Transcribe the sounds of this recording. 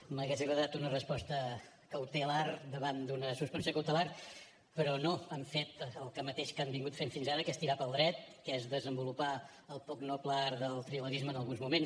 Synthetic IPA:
məɣɛzɣɾəðat̪unərəspɔst̪ə | kəwt̪əlard̪əβand̪unəsuspənsiokəwt̪əlar | pəɾɔnoamfet̪əlˠkəmət̪eʃkambiŋɡut̪femfinzaɾəkɛst̪iɾapəlˠd̪ɾɛt̪̚kɛzðəzəmbulupa | əlˠpɔknɔklaɾðəlˠt̪ɾiləɣizmənəlˠɣunzmumen

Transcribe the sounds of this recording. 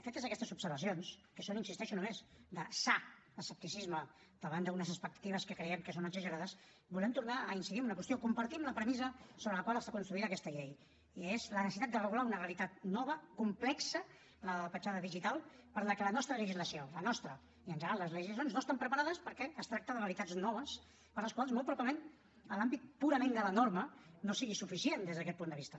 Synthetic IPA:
fet̪əzəkɛst̪əzupsəɾβəs̬ionskəsoninsist̪ɛʃunumezd̪əsa | əsəp̚t̪isizmə | d̪̥əβand̪əunəzəspək̚t̪ḁt̪iβ̞əskəkɾəɛmkəsonəɡzəʒəɾaðəs | bulɛmt̪uɾnaəinsiðimunəkwəst̪iokumpəɾt̪imləpɾəmizəsoβɾələkwaləst̪akunst̪ɾuit̪əkɛst̪əʎej | iezlənsit̪at̪d̪ərəɣulaunəreəlit̪at̪̚nɔβ̞əkumplɛksə | ləəpət͡ʃaðəðiʒit̪alˠpəɾləkələnɔst̪ɾəʎəʒizləsiolənɔst̪ɾə | iənʒəɾaləzləʒizs̬jonznoəst̪ampɾəpaɾaðəspəɾkɛəst̪ɾak̚t̪əðəəlit̪ad͡znɔβ̞əs | pəɾləskwalˠzmoɔlˠpɾuβaβləmen | əlambit̪̚puɾəmend̪ələnoɾmənosiɣisufisiend̪ezðəkɛt̪̚pund̪əβist̪ə

